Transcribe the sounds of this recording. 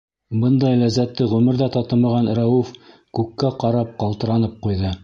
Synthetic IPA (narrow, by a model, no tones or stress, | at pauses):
bɤnd̪ɑjlæzæt̪ːɘʁʉmɘ̆ɾðæt̪ɑt̪ɤmɑʁɑnɾæwuf | kʉkːæqɑɾɑp̚qɑlˠt̪ɤ̆ɾɑnɤp̚qujðɤ